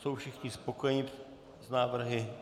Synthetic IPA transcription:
so̞wfʃɪxɲɪspokojɛɲɪ | znaːvr̩ɦɪ

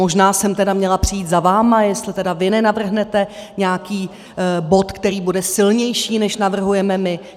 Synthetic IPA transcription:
mo̞ʒnaːsɛmt̪ɛdamɲɛlapr̝̥ɪjiːt̪zavaːmajɛst̪lɪt̪ɛdavɪnɛnavr̩ɦnɛt̪ɛɲɛakiː | bo̞t̪kt̪ɛɾiːbudɛsɪlɲɛjʃiːnɛʃnavr̩ɦujɛmɛmɪ

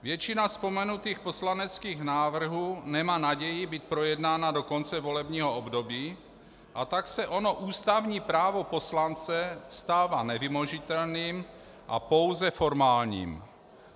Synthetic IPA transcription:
vjɛt͡ʃinaspo̞mɛnut̪iːxpo̞slanɛt͡skiːɣnaːvr̩ɦuːnɛmaːnaɟɛjɪbit̪̚pɾojɛdnaːnadokont͡sɛvo̞lɛbɲiːɦoobdobiː | ʔat̪aksɛʔonoʔuːst̪avɲiːpɾaːvoposlant͡sɛst̪aːvaːnɛvɪmoʒit̪ɛlniːm | ʔa̰powzɛfoɾmaːlɲḭːm

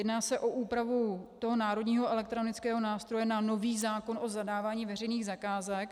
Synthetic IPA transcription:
jɛdnaːsɛʔo̞ʔuːpɾavutt̪o̞ɦo̞naːɾo̞dɲiːɦo̞ɛlɛk̚t̪ɾonɪt͡skɛːɦo̞naːst̪ɾo̞jɛnano̞viːzaːkono̞zadaːvaːɲiːvɛr̝ɛjniːɣzakaːzɛk

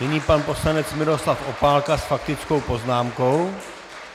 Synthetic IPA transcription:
nɪɲiːpanpo̞slanɛt͡smɪɾo̞slafʔo̞paːlkasfak̚t̪ɪt͡sko̞wpo̞znaːmko̞w

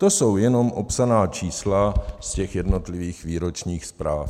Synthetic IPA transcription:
t̪o̞so̞wjɛno̞mʔopsanaːt͡ʃiːslascɛxjɛdnot̪liviːxviːɾo̞t͡ʃɲiːxspɾaːf

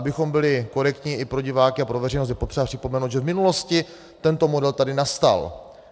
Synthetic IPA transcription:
abɪxo̞mbɪlɪko̞ɾɛkt̪ɲiʔɪpɾo̞ɟɪvaːkɪapɾovɛrɛjnost̪jɛpot̪r̥ɛbapr̥ɪ̥pomɛnowd̪ʒɛvmɪnulo̞scɪ | t̪ɛnt̪o̞mo̞dɛlt̪adɪnast̪a̰l

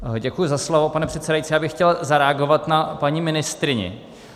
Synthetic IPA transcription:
ɟɛkujʊzaslovo̞panɛpr̥ɛt̪sɛdajitt͡siːjaːbɪxːcɛlzaɾɛaɡo̞vat̪napaɲimɪnɪst̪ɾɪɲɛ̰

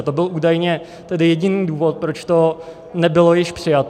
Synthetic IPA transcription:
t̪obɪlʔuːdajɲɛ | t̪ɛdɪjɛɟɪniːduːvot̪̚pɾot͡ʃt̪o̞ | nɛbɪlo̞jɪʃpr̥ɪjat̪

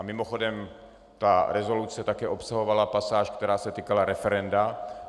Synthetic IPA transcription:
amɪmoxodɛm | t̪aɾɛzo̞lut͡sɛt̪akɛːʔopsaɦo̞valapasaːʃkt̪ɛɾaːsɛt̪iːkalaɾɛfɛɾɛnda

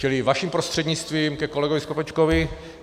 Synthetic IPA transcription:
t͡ʃɪlɪvaʃimpɾost̪r̝̥ɛd̪ɲɪt͡st̪viːmkɛko̞lɛɡovɪskopɛt͡ʃkovɪ

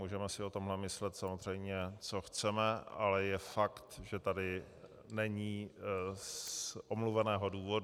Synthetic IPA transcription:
muːʒɛmɛsɪot̪o̞mɦlɛmɪslɛt̪samozr̝ɛjmɲɛt͡soxt͡sɛmɛa̰lɛjɛfakt̪ʒɛt̪adɪ | nɛɲiː | ʔomluvɛnɛːɦo̞duːvod

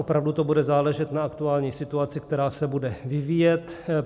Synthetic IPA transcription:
opɾavdut̪obudɛzaːlɛʒɛt̪naakt̪uaːlɲiːsɪt̪uat͡sɪkt̪ɛɾaːsɛbudɛvɪviːjɛt̪

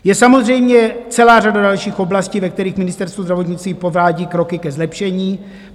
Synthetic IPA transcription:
jɛsamo̞zrɛjmɲɛt͡sɛlaːr̝adadalʃiːxo̞blasciːvɛkt̪ɛɾiːxmɪnɪst̪ɛɾst̪vuzdɾavo̞t̪ɲɪt͡st̪viːpo̞vɾaːɟiːkɾo̞kɪkɛzlɛpʃɛɲiː

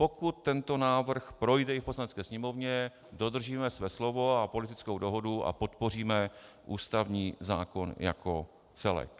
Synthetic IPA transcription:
po̞kut̪ːɛnt̪o̞naːvr̩xpɾo̞jdɛɪfposlanɛt͡skɛːsɲɛmo̞vɲɛ | do̞d̪r̩ʒiːmɛsvɛːslo̞vo̞apo̞lɪt̪ɪt͡skowdoɦo̞dua̰po̞t̪po̞r̝iːmɛ | ʔuːst̪avɲiːza̰ːko̞nja̰kʰo̞ | t͡sɛlɛ̰k

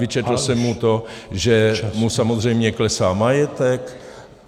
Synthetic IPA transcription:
ɪt͡ʃɛt̪l̩sɛmːut̪oʒɛmusamozr̝ɛjmɲɛklɛsaːmajɛt̪ɛk

